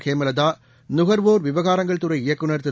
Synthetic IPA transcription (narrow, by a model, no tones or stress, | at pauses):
keːmɐlɐd̪aː | nʊɣɐɾʋoːɾʋɪʋɐɣaːɾɐŋɡɐɭt̪ɯɾɐɪɪjɐkːɯnɐɾt̪ɯ